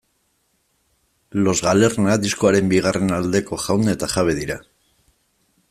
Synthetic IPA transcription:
lo̞zɣale̞rnaðisko̞aɾe̞mbiɣ̞are̞nald̪e̞ko̞ʝawnd̪et̪aʝaβ̞e̞ðiɾa

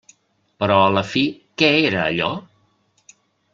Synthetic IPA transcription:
pəɾɔələfikɛeɾə̰ːʎɔ

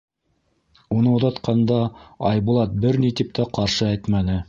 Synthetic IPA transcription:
unɤuðɑt̪qɑnd̪ɑɑjβulˠɑt̪̚bɘɾnit̪ip̚t̪ʰæqɑɾʃɤæjt̪mænɘ

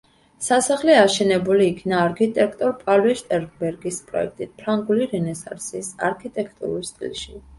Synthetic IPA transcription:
sasaχlɛaʃɛnɛbuliːkʰnaːɾkʰit̪ʼɛkʰt̪ʼɔɾpʼalɛʃt̪ʼɛɾɡbɛɾɡispʼɾɔ̰ɛ̰k̚ʰt̪ʼit̪̚pʰɾaŋɡuliɾɛnɛsa̰ɾsisa̰ɾkʰit̪ʼɛkʰt̪ʼṵɾulst̪ʼḭlʃi

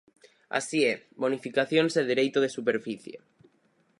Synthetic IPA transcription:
a̰siebonifikaθjonseðeɾejt̪oð̞esupeɾfiθjḛ

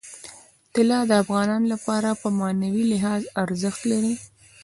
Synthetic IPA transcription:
t̪ɪlɑd̪əafɣɑnɑnolapɑɾapəmɑnawilɪɦɑzaɾzəxt̪laɾi

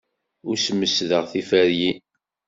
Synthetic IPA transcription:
ʊɾsəmːəsðəʁθifæɾji

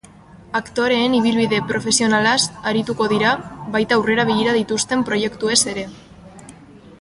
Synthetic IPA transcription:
akt̪o̞ɾe̞ːniβ̞ilβiðe̞pɾo̞fe̞sio̞nalasaɾit̪uko̞ðiɾaβajt̪aure̞ɾaβiʎiɾað̞it̪ust̪e̞mpɾo̞je̞kt̪ue̞se̞ɾe̞

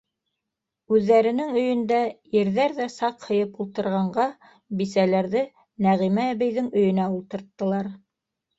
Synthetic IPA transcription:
ʉðːæɾɘ̆nɘŋɵ̆jɵ̆nd̪æjɘ̆ɾðæɾðæsɑqhɤ̆jɤpulˠt̪ɤ̆ɾʁɑɴɢɑ | bisælæɾðɘ | næʁimæːβɘ̆jðɘŋɵ̆jɵ̆næulˠt̪ɤ̆ɾt̪ːɤ̆lˠɑɾ

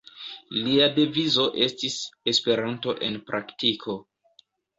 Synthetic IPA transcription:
liade̞vizo̞ʔe̞stise̞spe̞ɾanto̞ʔe̞npɾʔaktikʰo̞

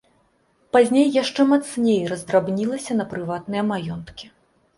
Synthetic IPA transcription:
pazʲnʲejːaʂt͡ʂɛmat̪snʲejrɐzd̪ɾabnʲilˠɐsʲɐnɐpɾɨvat̪nɨjɐmajɔnt̪kʲi

